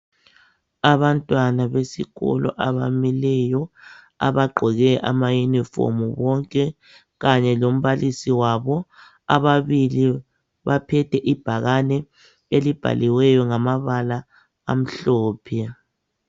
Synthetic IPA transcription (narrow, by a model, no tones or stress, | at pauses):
aβantʼwanaβesiɣɔ̰lɔ̰ʔaβa̰milɛjɔ | a̰βaɡ͡ǃʱɔɣɛʔa̰majunifo̰muβɔŋkʼɛ | ɣaɲɛlom̩βalʔisiwaβɔ | a̰βaβili | βapʰɛtʰɛʔib̥ʱaɣanɛ | elib̥ʱa̰liwɛjɔŋamaβalaː | m̩ɬɔːpʰɛ